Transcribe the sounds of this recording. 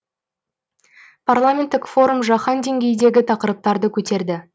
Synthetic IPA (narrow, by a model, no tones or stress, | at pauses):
pʰarlˠamʲe̞nt̪ːɪkfo̞ɾumʒɑχɑnd̪e̞ŋɡʲe̞jd̪e̞ɡʲɪt̪ʰɑqəɾəp̚t̪ɑɾd̪əkʲʰɵt̪e̞ɾd̪ɪ